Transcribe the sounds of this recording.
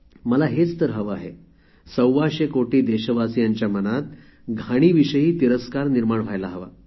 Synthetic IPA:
məlaɦet͡st̪əɾɦəʋəaɦe | səwʋaɕekoʈiːd̪eɕəʋasijaɲt͡ɕjamənat̪̚ | ɡʱaɽ̃iːʋiɕəɦiːt̪iɾəskaɾniɾmaɳʋ̤ʱajlaɦəʋa̰

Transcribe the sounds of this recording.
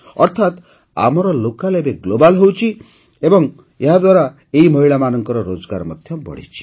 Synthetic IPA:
ɔɾt̪ʰat̪ | a̰mɔɾɔlokalebeɡlobalɦewt͡ʃʰi | ebɔŋ | eɦad̪waɾa | eimɔɦiɭamanɔŋkɔɾɔɾod͡ʒɔɡa̰ɾɔmɔd̪ʱjɔbɔ̰ɽḭt͡ʃʰi̥

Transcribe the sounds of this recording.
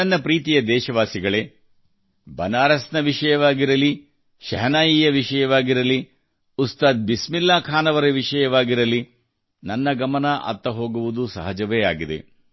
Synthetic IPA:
ɐnːɐpɾiːt̪ijɐd̪ɛːʃɐʋaːsiɡɐɭe̞ | bɐnaːɾɐsnɐʋiʂɐjɐʋaːɡiɾɐli | ʃɐ̰ɦɐnaːjiːjɐʋiʃɐjɐʋaːɡiɾɐli | ust̪aːd̪̚bismilːaːkʰaːnɐʋɐɾeʋiʂɐjɐʋaːɡiɾɐli | nɐnːɐɡɐmɐnɐʔɐ̰t̪ːɐɦo̞ːɡuʋud̪usɐ̰ɦɐd͡ʒɐʋeːaːɡid̪e̞̰

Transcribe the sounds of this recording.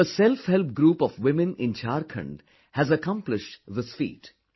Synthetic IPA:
əsɛlfhɛlp̚ɡɾuːpɔʋwɪmɪ̃nɪ̃nt͡ʃʰaːɾkʰə̰̃ɳɖ | hæzəkʌ̃mplɪʃʈðɪsfḭːʈ

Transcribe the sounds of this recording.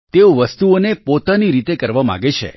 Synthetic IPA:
t̪eoʋəst̪uonepot̪aniɾit̪ekəɾʋama̰ɡet͡ʃʰḛ

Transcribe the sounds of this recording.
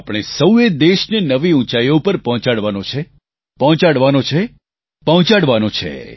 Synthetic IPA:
apɽ̃esəwed̪eʃnenəʋiũt͡ʃajopəɾpəɦɔ̃t͡ʃaɽʋanõt͡ʃʰe | pəɦɔ̃t͡ʃaɽʋanot͡ʃʰe | pəɦɔ̃t͡ʃaɽʋanõt͡ʃʰḛ

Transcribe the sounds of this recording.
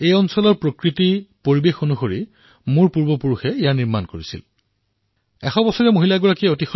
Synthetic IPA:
ejɔnsɔlɔɹpɹokɹitipoɹibexonuxoɹi | muɹpuɹbɔpuɹuxɛejaɹniɹmankoɹisḭl | ɛxɔbɔsɔɹɛmoɦilaɡɔɹakiɛotixɔ

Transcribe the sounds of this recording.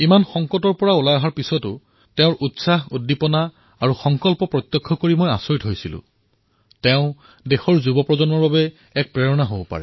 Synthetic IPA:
imanxɔŋkɔtɔɹpɔɹaulajɔɦaɹpisɔtʊ | teʊ̃ɹʔutsaɦudːipɔna | aɹuxɔŋkɔlpɔpɹɔt̪jɔkʰːɔkoɹimojasoɹtɦojsilʊ̰̃ | teʊ̃ | dexɔɹzubɔpɹɔzɔnɔɹbabɛ | ɛk̚pɹeɹɔnaɦobpa̰ɹɛ

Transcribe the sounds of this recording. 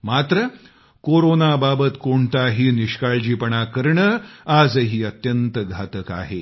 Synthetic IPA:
mat̪ɾə | koɾonababət̪koɳt̪aɦiːniɕkaɭd͡ʑiːpəɳakəɾɳəad͡zɦiːət̪jənt̪əɡʱat̪əka̰ɦe

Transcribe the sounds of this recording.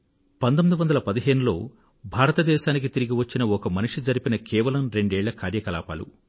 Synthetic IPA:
pɐnt̪omid̪uʋɐnd̪ɐlɐpɐd̪iɦe̞ːnulo̞ː | bʱaːɾɐt̪ɐd̪ɛːʃaːnik̬it̪iɾiɡiʋɐt͡ʃːinɐɔkɐmɐniʂid͡ʒɐɾipinɐkʰɛːʋɐlɐmɾe̞ɳɖɛːɭːɐkaːɾjɐkɐla̰ːpa̰ːlṵ

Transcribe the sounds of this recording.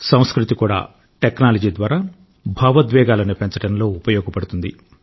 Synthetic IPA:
sɐ̃w̃skɾut̪ikuːɽa̰ː | ʈeknaːlɐd͡ʒiːd̪ʋaːɾaː | bʱaːʋɐd̪ʋɛːɡaːlɐnipent͡ʃɐʈɐnlo̞ːupɐjɔːɡɐpɐɽut̪und̪ḭ

